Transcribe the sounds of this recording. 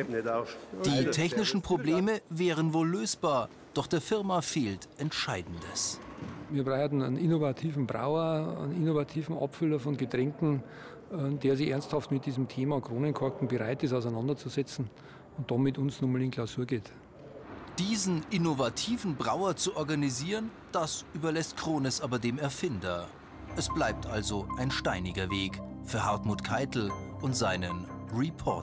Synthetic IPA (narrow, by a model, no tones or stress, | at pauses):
nɛtad̥iːtʰɛçnɪʃn̩pʁ̥obleːməvɛːʁ̞ənvoːlːøːsb̥aːɐ | d̥ɔχd̥eːɐfɪɐmafeːltʔɛntʃaɪdn̩dəsviːɐbʁaɪatn̩a̰nnɪnovatʰiːvn̩bʁa̰ʊɐa̰nɪnovatʰiːvn̩ʔɑ̰pfʏlɐfɔnɡətʁ̥ɛŋkŋ̩ | ɛdeːɐzɪçʔɛɐnsthɑftmɪt̚d̥iːzm̩tʰeːmɑkʁ̥oːnənkʰɔɐkŋ̩bəʁaɪtɪsaʊaɪnɑndɐt͡suzɛt͡sn̩ | ʊnt̚d̥ɑmɪtʊnsnumalɪnkʰlaʊsuːɐɡeːt | d̥iːzn̩ʔɪnovatʰiːvn̩bʁaʊɐt͡suʔɔɐɡaniziːʁən | d̥asʔyːbɐlɛstkʁ̥oːnəsʔaːbɐdeːmɛɐfɪndɐ | ʔɛsb̥laɪp̚tʰʔalzoʔaɪnʃtaɪnɪɡɐveːkfyːɐhɦaɐtmuːtkʰaɪtl̩ʔʊntz̥aɪnənʁipʰɔɐt